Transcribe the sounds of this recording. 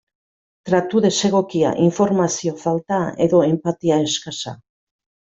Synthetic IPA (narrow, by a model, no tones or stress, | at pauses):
t̪ɾat̪uðe̞se̞ɣ̞o̞kia̰ʔiɱfo̞ɾmasio̞falt̪ae̞ðo̞e̞mpat̪iae̞skasa